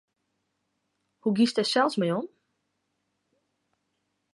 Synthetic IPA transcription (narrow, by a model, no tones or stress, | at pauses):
huɡistɛsɛlˠsmɛjɔn